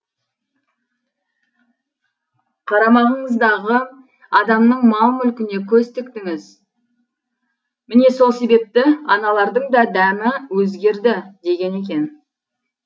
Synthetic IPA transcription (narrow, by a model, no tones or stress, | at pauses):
qʰɑɾɑmɑʁəɴəzd̪ɑʁə | ɑd̪ɑmnəɴmɑlˠmʏlkʲɪne̞kʲʰɵst̪ɪkt̪ɪŋɪz | mɪne̞so̞lˠse̞be̞p̚t̪ɪɑnɑlˠɑɾd̪əɴd̪ɑd̪æmɪwɵzɡʲe̞ɾd̪ɪd̪e̞ɡʲe̞ne̞kʲe̞n